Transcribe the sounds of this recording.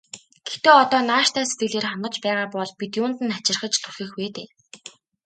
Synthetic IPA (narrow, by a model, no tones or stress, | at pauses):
ɡ̥et̪eːɔt̪ɔːnaːʃt̪æːset̪̚ɡɘ̆ɮeːrχanə̆t͡ɕpæːʁaːpɔɮpit̪jʊːnt̪ɘ̆nat͡ɕɪ̆rχə̆t͡ɕt̪ʰuxĭxweːt̪eː